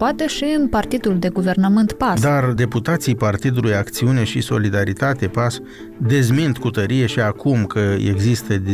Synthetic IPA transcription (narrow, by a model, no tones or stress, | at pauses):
poat̪e̞ʃiɨnpart̪id̪uld̪e̞ɡuve̞rnəmɨnt̪pad̪ard̪e̞put̪at̪sijpart̪id̪ulujakt̪siune̞ʃḭso̞̰lid̪aɾit̪at̪e̞pas | d̪e̞zmint̪kut̪əɾije̞ʃiakumkəḛɡzist̪əd̪